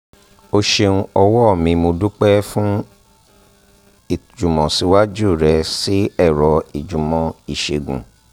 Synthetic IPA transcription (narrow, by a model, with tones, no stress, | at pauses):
o˧ʃe˧ũ˧ɔ˧wɔ˦ɔ˦˨mĩ˧mo˧du˦k͡pɛ˦fũ˦ | i˦˨d͡ʒu˨mɔ̃˨si˨˧˦wa˦d͡ʒu˦˨ɾɛ˧˦si˦ɛ˦˨ɾɔ˨˧i˨d͡ʒũ˨mɔ̃˨i˨ʃe˨ɡṵ̃˨